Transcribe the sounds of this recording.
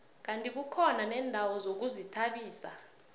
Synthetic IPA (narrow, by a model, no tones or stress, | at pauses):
k̬antʼik̬ukʰɔnanɛːndʱawɔzok̬uzitʰaɓiːsa̰